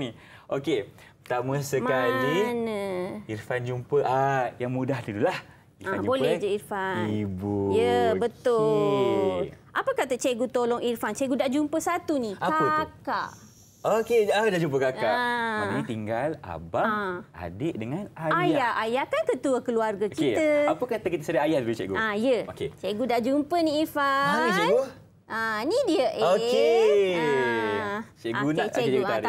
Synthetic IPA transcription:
ni | ʔoke | t̪aməsəmalinəirfand͡ʒumpəʔajaŋmudahdudulah | iaabolɛhd͡ʒairfanibujəbət̪ʊ | lʔapəkat̪ət͡ʃeɡut̪olɔŋirfant͡ʃeɡudaʔd͡ʒumpəsat̪unikakaəkaʔ | okeadaʔd͡ʒump̬əkakaanĩt̪iŋɡala̰baʔa̰deʔdəŋanaajaʔajakankət̪uəkəluarɡəkiəapəkat̪əkit̪əsəɾaajahuit͡ʃɛ̰ʔɡuajəoket͡ʃeɡudaʔd͡ʒumpənĩifat͡ʃɛnɡu | ʔãnidiəʔoke | t͡ʃeoɡunat͡ʃeua

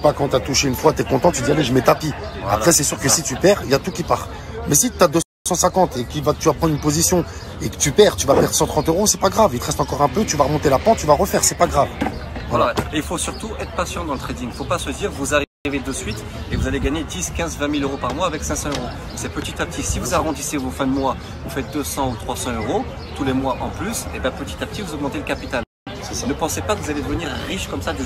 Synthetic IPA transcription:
pakɑ̃t̪yat̪uʃeynfwat̪yɛkɔ̃t̪ɑ̃t̪yd̪ialeʒəmɛt̪apia̰χɛsɛsyʁkəsit̪ypɛʁiljat̪ukʲipaʁ | mɛsit̪yad̪ø | sɑ̃sɛ̃kɑ̃t̪ekilvat̪yvapχɑ̃nd̪ʁynpozisjɔ̃ | ekə̥t̪ypɛʁt̪yvapɛʁsɑ̃t̪χɑ̃t̪øʁosɛpaɡʁavilt̪əʁɛst̪ɑ̃kɔʁɛ̃pøt̪yvaʁəmɔ̃t̪elapɑ̃t̪t̪ːyvaʁəfɛʁsɛpaɡʁavvalaeilfosyʁt̪uɛt̪χə̥pasjɑ̃d̪ɑ̃lət̪χed̪iŋfopasəd̪iʁvuzaiʁived̪əsɥit̪ | evuzaleɡaɲed̪iskʲɛ̃zvɛ̃miløʁopaʁmwaːvɛksɛ̃sɑ̃øʁo | sɛpət̪it̪ap̚t̪ʰisivuzaʁɑ̃d̪isevufɛ̃d̪əmwa | vufɛt̪̚d̪øsɑ̃ut̪χwasɑ̃øʁo | t̪ulemwaʔɑ̃plysebɛ̃pət̪i̥t̪ap̚t̪ivuzɔɡmɑ̃t̪eləkapit̪al | nəpɑ̃sepakəvuzaled̪əvəniʁːiʃkɔmsakvu

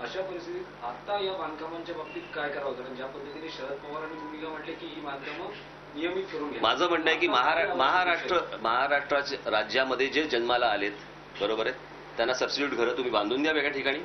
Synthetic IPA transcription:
əɕapəɾist̪ʰit̪iːt̪at̪ajaʋankamaɲt͡ɕjabʱək̚t̪iːt̪kajkəɾaɦot̪aəɳ̃d͡ʑjapəd̪ʱjət̪iniɕəɾət̪̚pəʋəɾañiːt̪um̤iːkam̤əʈlekiːɦiːmad̪ʱjəmək | nijəmit̪kəɾuːnɡʱemad͡zʱəːm̤əʈnajekiːməɦaɾaməɦaɾaʂʈɾəməɦaɾaʂʈɾat͡ɕeɾad͡ʑjaməd̪ʱːjed͡ʑed͡ʑənmalaːlet̪ | bəɾobəɾe | t̪ːjanːasəbsiʈjuːʈɡʱəɾəːt̪ːum̤iːbãnd̪uːnd̪jaʋeɡɭaʈʰikaɽ̃iː

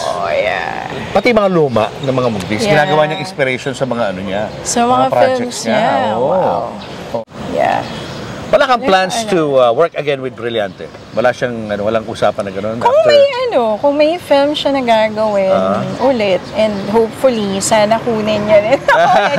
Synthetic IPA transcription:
ʔoja̰pɐt̪ijmɐŋaluːmɐ̰ʔnɐŋmɐŋamʊɡ̚d̪issɡɪnaːɡɐwaːɲaŋɪ̃nspɪɾɛʃonsɐmɐŋaʔɐnoɲa | sɐmɐŋapɾaɪld͡ʒɛmsɲa | oja̰ | wɐlakɐŋlansuwɛɹkɐɡɛnwɪd̪̚bɾɪljant̪ɛ̰ | wɐlaʃaŋʔɐnowɐlaŋusaːpɐnːɐŋɡɐno̞nkʊŋmɐjʔɐno̞kʊŋmɐjfɪlmʃɐnɐɡaːɡɐwɪnʔʊlɛt̪̚ʔɛnd̪ɦowpfʊlisaːnɐkuːnɪɲɲɐd̪ɪnɐ

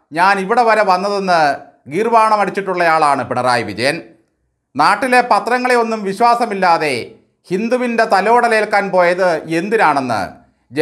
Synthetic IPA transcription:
ɲaːniʋiɽe̞ʋɐɾɐʋɐnːɐðe̞nːɨ | ɡirʋaːɳɐmɐɽit͡ɕːiʈːuɭːɐjaːɭaːɳɨpiɳɐraːjʋid̪eːn | naːʈːile̞pɐt̪rɐŋːɐɭeo̞nːumʋiɕwaːsɐmilːaːðe̞ | hind̪uʋinde̞t̪ɐlo̞ːɽɐleːlkaːnpo̞ːjɐðɨe̞nd̪inaːɳe̞nːɨ̰ | d͡ʑ

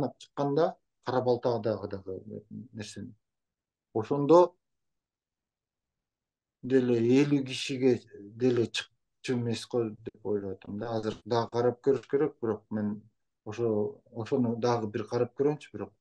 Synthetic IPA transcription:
nɑp̚t͡ʃʰɯ̥qːɑnd̪ɑ | qʰɑɾɑpɑlˠt̪ɑd̪ɑʁɯd̪ɑʁɯne̞ɾse̞n | o̞ʃo̞nd̪o̞ | d̪e̞le̞elyɡiʃiɡe̞d̪e̞le̞t͡ʃʰɯ̥q̚ | t͡ʃueme̞sqod̪e̞po̞jlˠojwɑt̪ʰɑmd̪ɑɑzɨɾd̪ɑʁɯqʰɑɾɑp̚køɾyʃke̞ɾe̞k̚biɾo̞q̚me̞n | oʃooʃo̞nud̪ɑʁɯbiɾqʰɑɾɑp̚køɾɡømt͡ʃy̥biɾo̞q̚

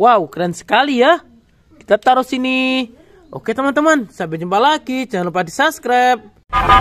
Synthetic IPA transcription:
waukɾiansə̥kalija | ki̥t̪at̪aɾusini | o̰ket̪əmant̪əmansabɛd͡ʒəmbalaɡit͡ʃaalupadisaskɾap̚

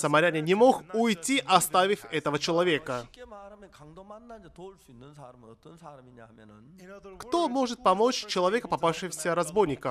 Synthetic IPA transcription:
səmɐɾʲanʲɪnʲɪmo̞xʊjtʲiʔɐst̪avʲɪfʲɛt̪əvət͡ɕɪlˠɐvʲe̞kə | kt̪o̞mo̞ʐɨt̪̚pɐmo̞t͡ɕt͡ɕɪlˠɐvʲe̞kəpɐpafʂɨvəsʲəɾɐzbo̞jnʲɪkə

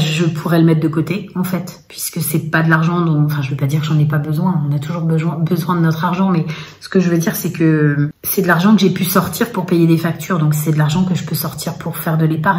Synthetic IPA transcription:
ʒəpʰuʁɛləmɛt̪̚d̪əkot̪eɑ̃fɛt̪pʰɥiskəsɛpad̪əlaʁʒɑ̃d̪ɔ̃fɛ̃ʒəvøpad̪iʁkəʒɑ̃nɛpabəzwɛ̃ɔ̃nat̪uʒuʁbəzwɛ̃bəzwɛ̃d̪ənɔt̪χaʁʒɑ̃mɛsə̥kəʒəvød̪iʁsɛkəsɛd̪əlaʁʒɑ̃kəʒepysɔʁt̪iʁpuʁpejed̪efakt̪ʰyːʁd̪ɔ̃ksɛd̪əlaʁʒɑ̃kəʒəpøsɔʁt̪ʰiʁpʰuʁfɛʁd̪əlepaʁ

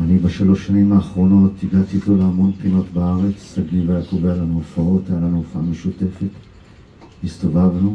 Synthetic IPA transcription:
anibaʃalo̞ʃːanimaːχʁo̞no̞tiɡat̪iːtloleamo̞npχino̞tbaaʁe̞t͡ssaɡlivajakovejalanuofao̞t̪ajalanuofaʔame̞ʃute̞fe̞t | mist̪o̞vavnu

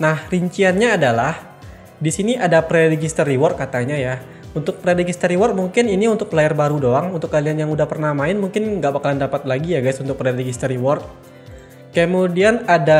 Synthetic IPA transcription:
nahriɲt͡ʃianɲaːdalah | disiniʔadapɾeɾɛɡist̪əriwɔr̚kat̪aɲaja | unt̪ʊk̚pɾɛɾɛɡist̪əɾiwɔrt̪̚muŋkɪniniunt̪ʊk̚lajarbaɾudoaŋunt̪ʊkːalianjaŋudahpərnahmaɪnmuŋkɪnŋɡaʔbakalandapat̪̚laɡijaɡajsunt̪ʊk̚pɾɛrrɛɡist̪əɾiwɔrt̪̚ | kəmodianada

